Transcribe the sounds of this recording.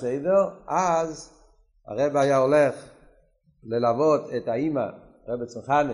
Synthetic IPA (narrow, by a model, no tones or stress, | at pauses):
sejdeʁaz | ha̰ʁebeajaoleχ | lelavotʰetaima̰ | ʁebet͡simχani